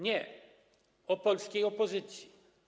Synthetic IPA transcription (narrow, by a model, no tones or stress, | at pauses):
ɲɛ | ɔpɔlskɛjɔpɔzɪt̪si